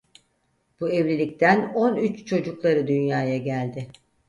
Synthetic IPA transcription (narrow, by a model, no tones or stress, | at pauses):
b̥uɛvlʲilʲict̪ʰæno̞nyt͡ʃt͡ʃʰo̞d͡ʒuklˠaɾɯd̪ynjaːjaɟælʲd̪ɪ